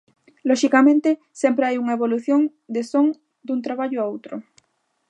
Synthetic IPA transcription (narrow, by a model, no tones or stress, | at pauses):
lɔʃikamẽnt̪ɪ | sempɾeajuŋaeβoluθjoŋ | d̪esoŋ | d̪unt̪ɾaβaʎʊaowt̪ɾʊ